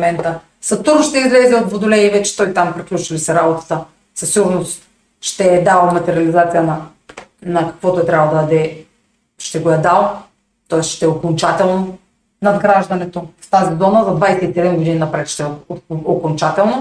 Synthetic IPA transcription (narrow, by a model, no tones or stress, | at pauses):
mɛnt̪ə | sɐt̪uʒoʃt̪ɛizlɛzɛod̪vod̪olɛivɛt͡ʃɛ̥t̪ojt̪ampɾiklʲut͡ʃilisɛɾabot̪at̪ə | sɐfsiɡʊɾnos | ʃt̪ɛɛd̪alˠmɐt̪ɛɾiɐlizat̪sijɐnɐ | nɐkɐ̥kvot̪oɛt̪ɾʲabˠd̪ad̪ɐd̪ɛ | ʃt̪ɛɡojad̪alˠ | t̪ɔɛsʃt̪ɛɛokont͡ʃat̪ɛlˠno | nɐd̪ɡɾaʒd̪ɐnɛt̪ost̪azid̪ɔmɐzɐd̪vajsɛit̪iɛd̪ɛmɡod̪ininɐpɾɛt̪ʃt̪ɛokont͡ʃat̪ɛlˠno